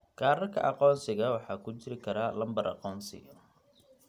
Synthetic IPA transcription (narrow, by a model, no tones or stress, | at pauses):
ɡ̥aːɾɐrkʰɐ̰ʔɑqɔːnsɪɣɐwɑħɑːkʰʊt͡ʃɪɾɪkʰɐɾaːlɐmbɐɾʔɑ̰qɔːnsɪ̰